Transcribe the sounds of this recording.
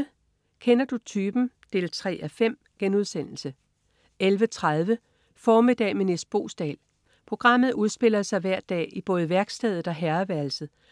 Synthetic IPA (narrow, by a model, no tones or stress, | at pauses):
kʰenɐd̥ut͡sʰyːb̥n̩d̥e̝̰ːlt͡sʰʁɛ̰ːʔæfem̰ | ɡ̥enuð̞ˠsen̰l̩sə | elʋət͡sʰʁað̞ˠʋə | fɒːmid̥ɛ̰ːmenesd̥̚b̥o̝̰ːsd̥ɛ̰ːl | pʰʁo̝ɡ̥ʁɑ̈m̰ð̩ˠuð̞ˠsb̥e̝l̰ɐsɑ̈ɪʋæɐ̰d̥ɛ̰ːib̥ɔ̽ːð̞̩ˠʋæɐɡ̥sd̥ɛːð̞̩ˠɒ̽ɦæɐɐʋæɐlsð̩ˠ